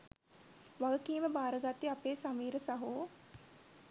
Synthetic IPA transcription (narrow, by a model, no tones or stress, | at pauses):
ʋaɡəkiːməbaːɾəɡat̪iapeːsamiːɾəsaɦoː